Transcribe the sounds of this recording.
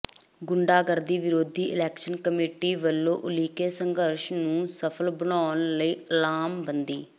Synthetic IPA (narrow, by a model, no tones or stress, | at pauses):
ɡʊɳɖaːɡəɾd̪iːʋɪɾoːd̪ʱiːʔɪlɛːkʃənkəmeːʈiːʋəlːõːʔʊliːkeːsəŋɡəɾʃnũːsəpʰəlbəɳaːnləiːəlaːmbənd̪iː